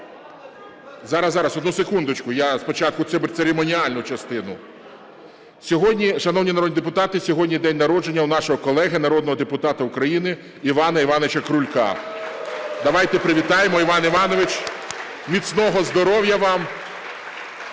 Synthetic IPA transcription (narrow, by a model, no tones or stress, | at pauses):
zɑɾɐzːɑɾɐsɔd̪nusekund̪ʊt͡ʃkʊjaspɔt͡ʃɑt̪̚kʊt̪sɛbɪɾʲtseɾemɔnʲiɑlʲnʊt͡ʃɐst̪ɪnʊ | sʲɔɦɔdʲnʲiʃɐnɔwnʲinɐɾɔd̪ʲnʲid̪ep̬ʊt̪ɑt̪ɪsʲɔɦɔdʲnʲijd̪ɛnʲnɐɾɔd͡ʒenʲːɐwnɑʃɔɦɔkɔlˠɛɦɪnɐɾɔd̪nɔɦɔd̪epʊt̪ɑt̪ɐukɾɐjinɪ | iʋɑnɐiʋɑnɔʋɪt͡ʃɐkɾʊlʲkɑ̰ | d̪ɐʋɑjt̪ɛpɾɪʋʲit̪ɑjemɔiʋɑniʋɑnɔʋɪt͡ʃ | mʲit̪ʲsnɔɦɔzd̪ɔɾɔwjɐʋɑm